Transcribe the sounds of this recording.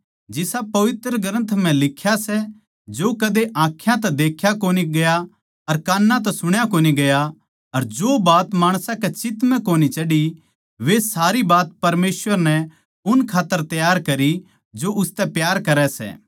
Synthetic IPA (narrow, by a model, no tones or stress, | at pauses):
d͡ʒɪsapɐʋɪt̪ɾəɡɐɾə̃nt̪ʰm̤ɛ̃lɪkʰːjasɛ | d͡ʒoːkɐd̪eʔãːkʰjãt̪ɛd̪eːkʰjakoːniɡɐja | ɐɾkaːnːãt̪̬ɛsʊɽ̃jakoːniɡɐja | ɐɾd͡ʒoːbaːt̪maːɽ̃sãkɛt͡ʃɪt̪mɛ̃koːnit͡ʃɐɽi | ʋesaːɾibaːt̪̚pɐɾmeːsʋəɾnɛ | ʊnkʰaːt̪ːəɾt̪ɐjaːɾkɐɾi | d͡ʒoʔʊst̪ɛpjaːɾkɐɾɛsɛ̰ː